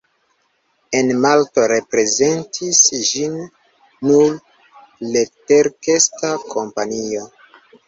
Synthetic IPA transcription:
e̞nmalto̞ɾe̞pɾe̞ze̞ntʰisʒinː | ul | leteɾke̞stakʰo̞mpanio̞

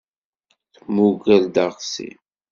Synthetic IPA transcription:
θmuɡæld̪əʁsḭ

